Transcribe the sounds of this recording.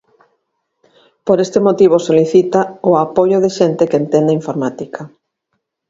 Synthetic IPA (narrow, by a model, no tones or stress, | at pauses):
poɾest̪emot̪iβ̞osoliθit̪aoapojoðeʃent̪ekent̪end̪aiɱfoɾmat̪ikʰɐ